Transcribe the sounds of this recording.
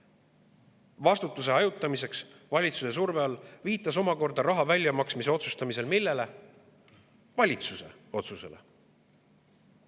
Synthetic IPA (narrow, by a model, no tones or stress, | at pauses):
vɑst̪ut̪ːˑuse̞ɑjut̪ːˑɑmise̞ks | vɑlʲit̪suse̞s̬urve̞ɑlːviːt̪ˑːɑs̬o̞mɑko̞rd̪ɑɾɑɦɑvælʲjɑmɑksmiseo̞t̪sust̪ɑmise̞lmilːe̞le̞ | vɑlʲit̪suse̞̰ | o̞t̪suse̞̰le